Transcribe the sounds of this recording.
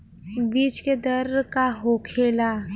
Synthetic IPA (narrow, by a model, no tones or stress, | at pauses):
biːd͡ʒked̪əɾkaɦoːkʰeːla